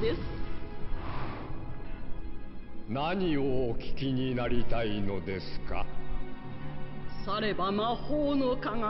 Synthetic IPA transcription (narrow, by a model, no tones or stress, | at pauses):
d̪esɨ̥ | naɲ̟ioːkʲi̥kʲiɲ̟inaɾʲit̪aino̞d̪e̞sɨ̥ka̰ | saɾe̞bamahoːnokaŋa